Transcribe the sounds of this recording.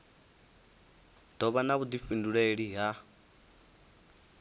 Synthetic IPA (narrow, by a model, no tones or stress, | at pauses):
d̪̥ɔβanaβud̪ifinduɺɛɺiɦa